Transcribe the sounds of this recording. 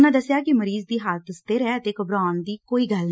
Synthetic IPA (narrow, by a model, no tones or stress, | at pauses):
nãːd̪əsjaːkɪməɾiːzd̪iːɦaːlt̪ʊst̪eːɾɛːət̪eːkəbɾaːnd̪iːkoːiːɡəln